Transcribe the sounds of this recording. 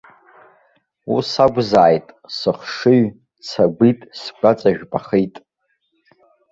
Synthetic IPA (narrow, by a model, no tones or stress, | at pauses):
ṵsaɡʷzaːjtʼsɨχʂɨɥ | sʰaɡʷitʼsɡʷat͡sʼaʒᶣpʼaχijtʼ